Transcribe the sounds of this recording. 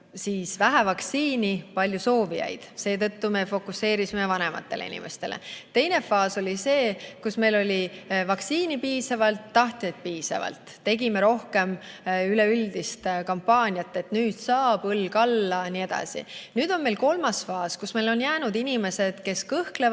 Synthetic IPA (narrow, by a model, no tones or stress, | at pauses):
siːsvæɦævɑksiːnipɑlʲjuso̞ːvḭjɑ̰jd̪̥se̞ːt̪ɤ̞t̪ːume̞fo̞kˑusːe̞ːɾisimevɑne̞mɑ̰t̪ˑːe̞leḭnʲḭme̞st̪e̞lʔḛt̪e̞jne̞fɑːso̞lʲise̞ːkusme̞jlo̞lʲivɑksiːnipiːsɑvɑlt̪ːɑht̪jɑt̪̚piːsɑ̰vɑ̰lt̪ːe̞ɡime̞ɾo̞hke̞myle̞yld̪ist̪kɑmpːɑːnʲiɑt̪ːˑe̞t̪nyːd̪̥sɑːb̥ɤlːkɑlːɑnie̞d̪̥ɑ̰sḭnyːd̪̥o̞nme̞jlko̞lmɑsfɑːskusme̞jlo̞njæːnud̪̥inime̞se̞d̪̥ke̞skɤhkle